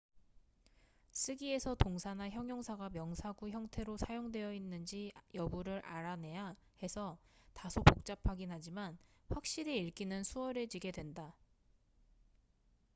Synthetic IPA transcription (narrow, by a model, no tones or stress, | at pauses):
s͈ʰɯɡie̞sʰʌtoŋsʰanaçjʌŋjʌŋsʰaɡamjʌŋsʰaɡuçjʌŋtʰe̞ɾosʰajoŋdwe̞jʌinːɯnd͡ʑijʌbuɾɯɾʔa̰ɾane̞ja | he̞sʰʌtasʰopok̚t͡ɕ͈apʰaɡinɦad͡ʑimanɸwak̚ɕ͈iɾe̞iɭk͈inɯnsʰuwʌɾe̞d͡ʑiɡe̞dwe̞nda